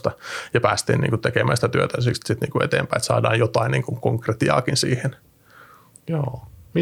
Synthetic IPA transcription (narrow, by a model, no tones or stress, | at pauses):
t̪ɑjɑpæ̰ːst̪ḭːnḭŋkutt̪ekemæ̰nsit̪æt̪yøt̪æsisit̪niːkuet̪ḛːmpæiet̪sɑ̰ːdɑːjjot̪ɑiniːŋkuŋkoŋkret̪iɑ̰ːkinsḭːhen | joːmi